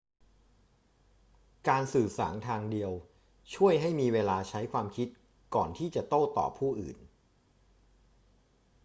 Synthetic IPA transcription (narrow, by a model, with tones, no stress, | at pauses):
kaː˧nsɯː˨˩sa̰ː˩˦nt̪ʰaː˧ŋdi˧əw | t͡ɕʰu˥˩əjɦa˥˩jmiː˧weː˧laː˧t͡ɕʰa˦˥jkʰwaː˧mkʰi˦˥t̪̚ | kɔː˨˩nt̪ʰiː˥˩t͡ɕa˨˩t̪oː˥˩t̪ɔ̰ː˨˩pʰuː˥˩ʔɯ̰ː˨˩n